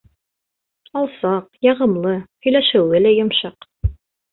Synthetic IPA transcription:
ɑlˠsɑqjɑʁɤ̆mlˠɤhɵ̆jlæʃɘ̆wɘlæjŏmʃɑq

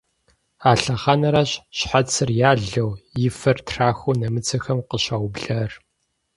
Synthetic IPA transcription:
aːɬɐχɐnɐɾaɕɕħat͡sʰɨrjaːɮɐwjɪfɐrtʰraːxʷunɐmɨt͡sʰɐxɐmqəɕawbɮɐr

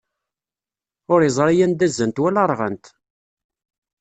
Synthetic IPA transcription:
ʊɾjzˤɾˤijænd̪æzːənt̪wælɑɾˤʁə̰nt̪

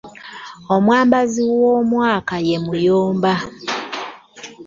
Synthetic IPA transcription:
omwaːmbaziwomwaːkaje̞mujoːmba

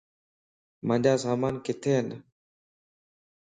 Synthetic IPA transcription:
mə̃ɲd͡ʒaːsaːmaːnkɪt̪ʰeːn

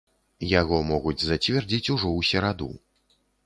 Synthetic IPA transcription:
jaɣɔmɔɣud͡zʲzɐt͡sʲvʲɛrd͡zʲit͡sʲuʐɔwsʲɛɾad̪ṵ

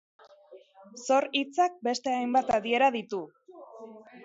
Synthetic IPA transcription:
so̞ɾit͡sak̚be̞st̪e̞ajmbat̪aðie̞ɾaðit̪u

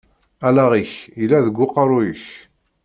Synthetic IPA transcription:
ælæʁiçjəlːæðəɡʷːʊqəɾˤʊjəç

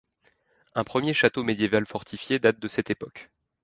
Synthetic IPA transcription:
ɛ̃pχəmjeʃat̪omed̪jevalfɔʁt̪ʰifjed̪at̪̚d̪əsɛt̪epɔk

